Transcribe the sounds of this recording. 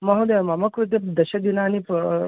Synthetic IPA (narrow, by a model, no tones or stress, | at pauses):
mɐɦud̪emɐmɐkuɾt̪̬epd̪ɐʃɐd̪inaːnip